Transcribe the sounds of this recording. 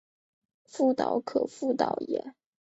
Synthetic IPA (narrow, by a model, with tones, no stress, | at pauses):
fu˥˩t̪ɑ˨˥ʊkʰɤ˨˩fu˥˩t̪ɑ˨˩ʊjɛ̰˨˩˦